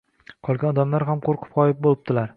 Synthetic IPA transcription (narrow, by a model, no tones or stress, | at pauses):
qʰɒlˠɡʲanɒd̪amlaɾɦamqʰoɾqʰʊ̥pqɒjɪp̚bolɪp̚t̪ɪlaɾ